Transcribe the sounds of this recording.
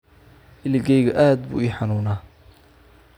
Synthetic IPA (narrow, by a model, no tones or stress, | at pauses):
ʔɪlɪɡɛjɣɐʔaːd̪bṵːiːħɑnuːnaː